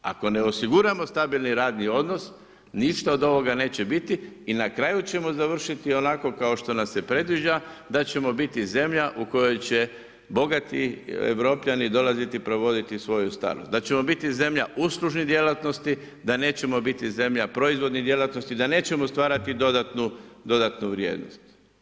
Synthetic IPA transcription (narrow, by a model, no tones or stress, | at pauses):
a̰ko̞ne̞o̞siɡuɾamo̞st̪abilˠniɾaːd̪nio̞d̪no̞s | niʃt̪aod̪o̞ʋo̞ɡane̞ːt͡ɕe̞bit̪iːnakɾaːjut͡ɕe̞mo̞zaʋr̩ʃit̪io̞nako̞kao̞ʃt̪o̞nase̞pɾe̞d̪ʋiʒad̪at͡ɕe̞mo̞bit̪ize̞mʎaʔuko̞jo̞jt͡ɕe̞ | bo̞ɡat̪ḭḛʋɾo̞ːpʎanid̪o̞lazit̪ipɾo̞ʋo̞d̪it̪isʋo̞just̪a̰ːɾnost̪d̪at͡ɕe̞mo̞bit̪ize̞mʎaʔusluʒnid̪je̞lat̪no̞st̪i | d̪ane̞ːt͡ɕe̞mo̞bit̪ize̞mʎapɾo̞izʋo̞d̪nid̪je̞lat̪no̞st̪id̪ane̞ːt͡ɕe̞most̪ʋaːɾat̪id̪o̞d̪at̪nud̪o̞d̪at̪nuʋɾʲjḛːd̪no̞̰st̪